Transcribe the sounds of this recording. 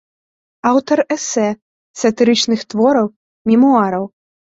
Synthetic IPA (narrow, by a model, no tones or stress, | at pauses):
awt̪ɐɾɛsɛ | sɐt̪ɨɾɨt͡ʂnɨxt̪vɔɾɐw | mʲimuaɾɐw